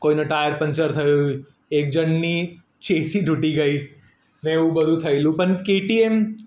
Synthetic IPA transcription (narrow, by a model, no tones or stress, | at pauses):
koːinɐʈaːjəɾpɐ̃nt͡ʃəɾt̪ʰɐju | eːk̚d͡ʒɐnni | t͡ʃeːsiɖʱʊʈiɡɐiː | mɛ̃ubɐd̪ʱut̪ʰɐilũpɐnkeːʈiːem